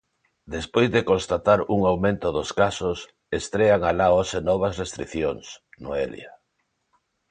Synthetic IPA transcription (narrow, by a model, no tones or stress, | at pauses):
d̪espojzðekonst̪at̪aɾuŋawmẽnt̪ʊðoskasos | est̪ɾeaŋalaosenɔβ̞asrest̪ɾḭθjoŋsnoḛlj̰a